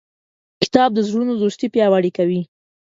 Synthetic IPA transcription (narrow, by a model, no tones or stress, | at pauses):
kɪ̥t̪ɑb̚d̪əzɽunod̪ost̪ipjɑwaɽikawi